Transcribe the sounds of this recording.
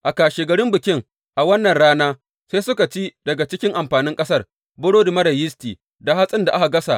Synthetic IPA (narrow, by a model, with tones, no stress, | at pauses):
ʔa˨kaː˨ʃeː˨ɡɐ˨ɽɪ˦mbɪ˨kʲɪ˦ŋ | ʔa˨wɐ˦nːɐ˨nɽaː˦naː˦ | se˦sʊ˦ka˨t͡ʃi˦dɐ˨ɡa˨t͡ʃɪ˦kʲɪ˦ŋʔa˨mɸaː˨nɪ˦ŋkʼɐ˦sɐ˦˨r | bʊ˦ɽoː˦di˨mɐ˦ɽɐ˨jɪ˦stiː˨ | da˨ɦa˦sʼɪ˦nda˨ʔa˦ka˨ɡɐ˦sa̰˨ʔ